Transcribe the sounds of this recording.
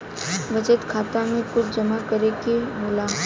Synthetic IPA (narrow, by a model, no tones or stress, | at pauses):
ʋət͡ʃət̪kʰaːt̪amẽkʊt͡ʃd͡ʒɐmakəɾekeboːlaː